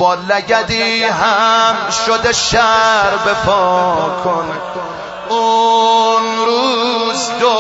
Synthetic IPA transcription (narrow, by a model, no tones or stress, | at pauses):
bɔːlæɡæd̪iːɦæmʃod̪eʃæɾbepʰɔːkʰon | u | nɾuːzd̪o